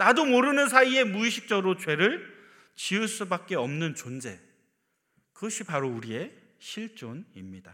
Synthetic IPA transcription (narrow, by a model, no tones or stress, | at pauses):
nadomoɾɯnɯnsʰaie̞muiɕʰi̥k̚t͡ɕ͈ʌɾot͡ɕwe̞ɾɯɭ | t͡ɕiɯs͈ɯbak͈̚e̞ʌmnɯnt͡ɕond͡ʑe̞ | kɯɕ͈ʰipaɾouɾie̞ | ɕʰiɭt͡ɕ͈onimɲida